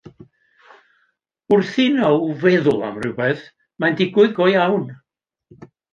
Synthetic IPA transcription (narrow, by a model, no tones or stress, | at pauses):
ʊrθɪnɔvɛðʊlˠa̰mrɪwbɛð | mandɪɡwʊɨðɡɔjawn